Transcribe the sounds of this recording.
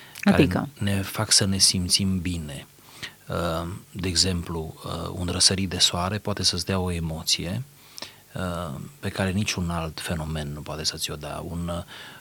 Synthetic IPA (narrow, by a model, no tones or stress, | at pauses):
aaɾeikə̰ne̞faksəne̞simt̪simbine̞ | əd̪e̞ːɡze̞mpluə̰ṵnɾəsəɾit̪̚d̪e̞soaɾe̞poat̪e̞səsd̪eao̞e̞mo̞t̪sije̞ | əpe̞kaɾe̞nit͡ʃunalt̪fe̞no̞me̞nːupoat̪e̞sət̪sʲo̞d̪ea̰un